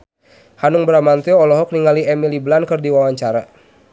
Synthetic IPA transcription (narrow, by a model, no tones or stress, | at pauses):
hanʊŋbəɾamant̪iɔɔlɔɦɔk̚niŋɡaliɛmiliblankɨrdiwawaɲt͡ʃaɾa